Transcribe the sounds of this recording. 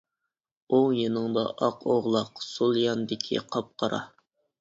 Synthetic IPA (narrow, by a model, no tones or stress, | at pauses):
oŋjenɨŋd̪ɑ̰ʔɑqʰoʁlˠɑqsulˠjɑnd̪ɪkʲʰḭqʰɑp̚qʰɑɾɑ̰